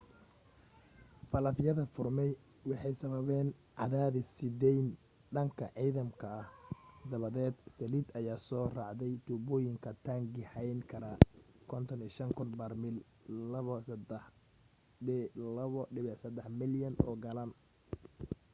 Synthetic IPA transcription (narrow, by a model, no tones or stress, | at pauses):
fɐlɐfjɐðɐfʊrmɛj | wɑħɑjsɐβɐβɛːnʕɑ̰ðaːðɪsɪd̪ɛjn | ɖɐŋkʰɐʕiːðɐmkʰɐɐhd̪ɐβɐðɛːd̪sɐlid̪ɐjaːsɔːrɑʕd̪ɛjt̪ʰubɔːjɪŋkʰɐt̪ʰaŋɡɪhɛjnkʰɐɾɐ | kʰɔnt̪ʰɔniːʃɐŋkʰʊnbɐrmɪl | lɐβɔsɐd̪ɛħ | lɐβɔɖɪβɛsɐd̪ɛħmɪljɐnɔ̰ːɡɐlɐn